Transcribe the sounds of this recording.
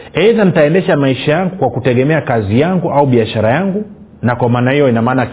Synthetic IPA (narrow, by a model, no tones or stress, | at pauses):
ɛzanitaɛndɛʃamaiʃajaŋɡukwakutɛɠɛmɛakazijaŋɡuʔauɓiaʃaɾajaŋɡu | nakwamaːnahijɔinamaːna